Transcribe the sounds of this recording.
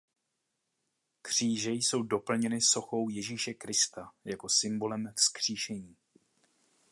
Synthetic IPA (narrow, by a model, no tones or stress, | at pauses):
kr̝̥iːʒɛjso̞wdo̞pl̩ɲɛnɪso̞xo̞wjɛʒiːʃɛkɾɪst̪ajako̞sɪmbo̞lɛmfskr̝̥iːʃɛɲiː